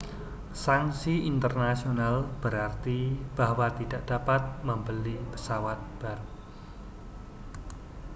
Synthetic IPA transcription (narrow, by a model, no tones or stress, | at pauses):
saŋsiint̪ərnasionalb̥əɾart̪ib̥ahwat̪id̥aʔd̥apat̪̚məmbəlipə̥sawat̪̚b̥aɾu